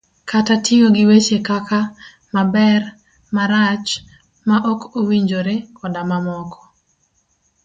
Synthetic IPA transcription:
katatʰiŋoɡɪwet͡ʃekaka | mabɛr | maɾat͡ʃ | maʔɔkowiɲd͡ʒoɾekʰɔdamamɔkɔ̥

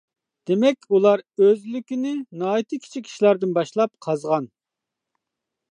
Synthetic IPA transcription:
d̪̥emɛkʲulˠɑɾøzlykʲinɪnɑːit̪ʰɨkʲʰi̥t͡ʃʰikʲʰi̥ʃilæɾd̪ɪnbɑʃlˠɑp̚qʰɑzʁɑn

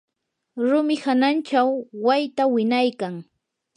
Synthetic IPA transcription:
ɾʊmɪhanant͡ʃawːajt̪awɪnajkaŋ

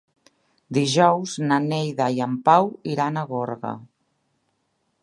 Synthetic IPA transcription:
d̪iʒɔwznanejðajampawiɾanaɣoɾɣa̰

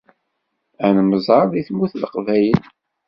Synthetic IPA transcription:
ænməzˤɑɾˤðiθmuθlqvæjən

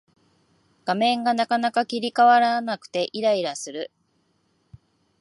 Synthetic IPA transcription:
ɡ̥amẽ̞ŋɡanakanakakʲiɾʲikaβaɾanakɯ̟̥t̪e̞ʔiɾaiɾasɨɾɯ̟

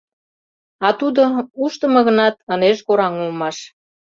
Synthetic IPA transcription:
ɑt̪ud̪ouʃt̪əmɤ̆ɣə̆nɑt̪̚əneʃkoɾɑŋulmɑʃ

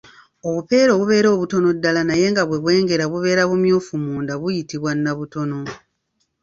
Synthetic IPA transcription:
o̞βupe̞ːɾo̞βuβe̞ːɾo̞ːβuto̞no̞dːalanaje̞ːŋɡaβwe̞βwe̞ːŋɡe̞ɾaβuβe̞ːɾaβumjoːfumuːndaβujitiβwanːaβuto̞no̞

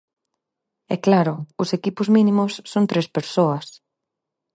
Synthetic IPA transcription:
ɛklaɾʊʊsekipʊzmĩnĩmʊsːont̪ɾespeɾsoɐs

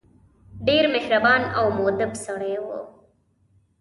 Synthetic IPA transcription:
ɖiːɾmehɾɐbaːnɐwmoːd̪ɐbsoɽeːʋo̰ː

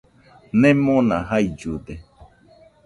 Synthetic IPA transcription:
nẽmõnã̰ɦaid͡ʒud̪e

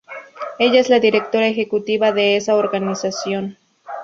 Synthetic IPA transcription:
e̞ʝae̞szlaðiɾe̞k̚t̪o̞ɾaexe̞kut̪iβaðe̞esaoɾɣanisasjo̞n

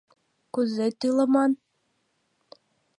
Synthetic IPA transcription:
kuzet̪ilɤ̆mɑn

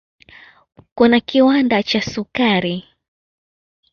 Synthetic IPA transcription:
kunakiwandat͡ʃasukaɾi

